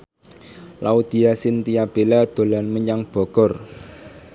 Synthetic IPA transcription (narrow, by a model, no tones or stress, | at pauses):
laud̪̥i̤asɪnt̪ijab̥e̤lad̪̥o̤lanməɲaŋb̥ɔ̤ɡ̥ɔ̤r